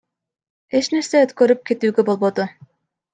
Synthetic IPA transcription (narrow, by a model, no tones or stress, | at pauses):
e̞t͡ʃne̞ɾseøt̪køɾyp̚ke̞t̪yːɡøbo̞lˠbo̞d̪u